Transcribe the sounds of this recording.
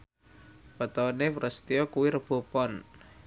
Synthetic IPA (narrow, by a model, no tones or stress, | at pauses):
pət̪ɔnepɾəst̪ijɔkuwiɾəb̥o̤pɔn